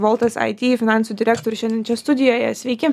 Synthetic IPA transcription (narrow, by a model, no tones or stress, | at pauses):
ʋɔlˠt̪ɐsɐ̰ɪt̪ʲiːfʲɪnɑˑnsuːd̪ʲɪɾʲæːkt̪oːɾʲʊʃɛnd̪ʲɛnt͡ʃʲɛst̪ʊd̪ʲɪjoːjɛsʲʋʲɛɪkʲɪ